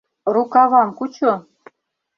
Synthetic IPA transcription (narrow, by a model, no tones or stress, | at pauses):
rukɑβɑmkut͡ɕŏ